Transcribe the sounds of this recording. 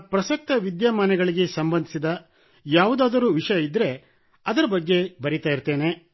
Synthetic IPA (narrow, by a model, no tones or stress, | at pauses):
pɾɐsɐk̚t̪ɐʋid̪jaːmaːnɛɡɐɭiɡe̞sɐmbɐnd̪ʱisid̪ɐ | jaːʋud̪aːd̪ɐɾuːʋiʂɐjɐid̪ːɾe̞ | ɐd̪ɐɾɐbɐɡːe̞bɐɾit̪aːjiɾt̪ːe̞ːne̞